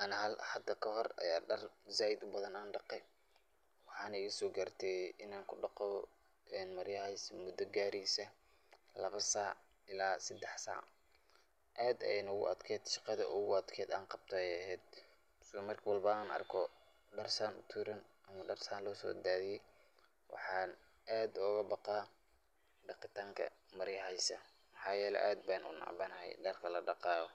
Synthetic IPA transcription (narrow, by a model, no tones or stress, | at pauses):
ʔɐnhɐlħɑd̪ɐkʰɐhɔrɐ̰jaːɖɐrzaːjɪd̪ʊbɐðɐnaːnɖɑqɛ | wɑħɑːnɐɪɣɐsɔːɡart̪ʰɛʔɪnaːŋkʰʊɖɑqɔ | ɛːnmɐɾjɐhɛsmʊd̪ɐɡaːɾiːsɐ | lɐβɐsaːʕ | ʔɪlaːsɐd̪ɛħsa̰ːʕ | ʔɛːd̪ɛ̰nɐʊɣʊ̰ɐd̪kʰɛːd̪ʃɑqɑðɐ̰ʔʊɣʊɐd̪kʰɛːd̪aːnqɑb̥̚t̪ʰɔɛjɐhɛːd̪̚ | smɐrkʰwɑlbɐaːnɐ̰rkʰɔ | ɖɐrsaːnʊ̰t̪ʰuːɾɐnʔɐmɐɖɐrsaːnlɔːsɔ̰ːd̪aːðijɛj | wɑ̰ħɑːn | ʔaːd̪ɔɣɐbɑqɑː | ɖɑqɪt̪ʰaːŋkʰɐ̰mɐɾjɦɛjsɐ | mɑħɑːjɛːlɛ̰ʔaːd̪̚baːnʔʊ̰nɑ̰ʕbɐnɐhɛ̰jɖɐrkʰɐlɐɖɑqɑːɣɔ